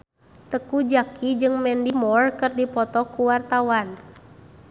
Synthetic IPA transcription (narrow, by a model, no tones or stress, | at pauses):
t̪əkud͡ʒakid͡ʒɨŋmɛndimɔrkɨrdipɔt̪ɔkuwart̪awan